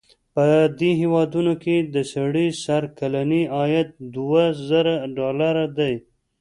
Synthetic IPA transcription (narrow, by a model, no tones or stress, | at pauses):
pəd̪eɦewɑd̪unoked̪əsaɽisaɾkalaniɑjat̪̚d̪uwazaɾaɖɑlaɾad̪aj